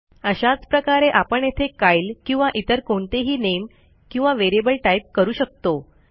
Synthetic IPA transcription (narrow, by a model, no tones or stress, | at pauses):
əɕat͡spɾəkaɾeʔapəɳjet̪ʰekajlkĩw̃ʋaʔit̪əɾkoɳt̪eɦiːnem | kĩw̃ʋaʋeɾebəlʈajp̚kəɾuːɕək̚t̪o